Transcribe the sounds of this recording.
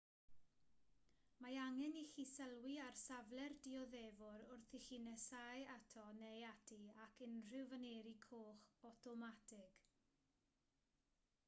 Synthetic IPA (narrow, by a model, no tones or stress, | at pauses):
maaŋɛnixisəlˠwiarsavlɛrdiɔðɛvʊɾʊrθixiːnɛsajatʰɔnejatʰiakʰɪnr̥ɪwvəneːɾikʰoːχɔtʰɔmatʰɪɡ̥